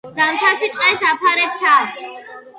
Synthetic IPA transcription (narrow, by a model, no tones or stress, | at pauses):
zamt̪ʰaʃit̪ʼqʼɛsapʰaɾɛpst̪ʰads